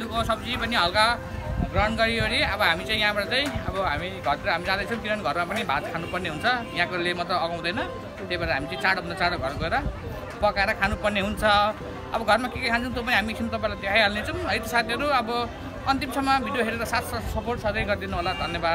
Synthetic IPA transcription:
t̪ukosʌbd͡zipʌniɦʌlka | ɡrʌnɡʌɾiɦʌɾiʌbʌɦamit͡sãĩjãbʌɽat͡saĩʌ̰bʌɦamiɡʱʌɾiɾʌɦamid͡zãd̪ʌjt͡sʰʌ̃kiɾʌnɡʱʌrmapʌnibʱad̪̚kʰanupʌrneɦunt͡sʰʌjãkolemʌt̪ʌːɡãw̃d̪ʌjnʌ | t̪ebaɾɾaɦamit͡saĩt͡saɽoɦunʌt͡saɽoɡʱʌrkoeɾʌ | pʌkaeɾʌkʰanupʌrneɦunt͡sʰʌ | ʌ̰bʌɡʱʌrmakekekʰant͡sʰʌ̃t̪̬op̬ʌniɦamikʰinut̪ʌpãĩlat̪eajɦalnet͡sʰʌw̃ɦʌjt̪ʌsat̪ʰiɦʌɾuʌbʌ | ʌnt̪imsʌmːʌbʱiɖjoɦeɾeɾʌsat̪sʌsʌporʈsʌdʌjɡʌrd̪inuɦolad̪ʱʌnjebad̪

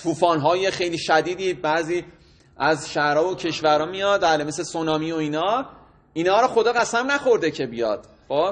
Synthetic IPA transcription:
t̪ʰuːfɒːnɦɒːjexejliːʃæd̪iːd̪iːbæːziː | æzʃæhɾɒːvocʰe̞ʃvæɾɒːmijɒd̪bæːlemesesonɒːmiːoiːnɒː | inɒːɾɒxod̪ɒːɣæsæmnæxo̞ɾd̪ecʰe̞bijɒ̰d̪̥ | xoːb̥

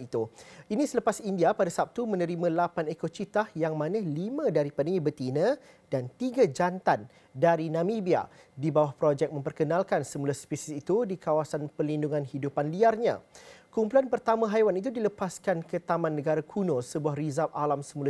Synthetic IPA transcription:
it̪uinĩsələpasindiapadasap̚t̪umə̃nə̃ɾimãlapanekot͡ʃit̪ahjaŋmãnə̃limə̃daɾipanəŋĩbət̪inə̃ | dant̪iɡad͡ʒant̪an | daɾinãmibia̰dibawahpɾod͡ʒɛk̚mə̃mpərkənalkansəmulaspisisit̪udikawasanpərlinduŋãnhidupanliarɲã̰kumpulanpərt̪amãɦajwanit̪̬udiləpaskankət̪amãnːəɡaɾakʰunosəbuahrizapalamsəmula

